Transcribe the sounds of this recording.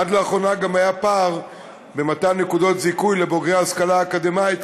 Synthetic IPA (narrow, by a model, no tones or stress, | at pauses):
adleaχo̞naɡamajapaʁ | be̞mat̪annːekudo̞t̪zikujle̞boɡʁehaskalaːkad̪emaet